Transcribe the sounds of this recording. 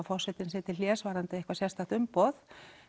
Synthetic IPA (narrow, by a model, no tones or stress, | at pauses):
fɔ̥sɛt̪ɪnsɛːt̪ɪljɛːsvaːɾant̪ɪɛhkvasjɛst̪aht̪ʏmpoð